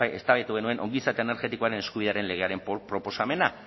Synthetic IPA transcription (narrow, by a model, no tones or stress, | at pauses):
ḛst̪aβet̪uɣe̞nue̞nʔo̞ŋɡisat̪eene̞ɾxe̞t̪ikoaɾe̞ne̞skuβiðeaɾe̞nle̞ɣe̞aɾe̞mpɾo̞po̞same̞na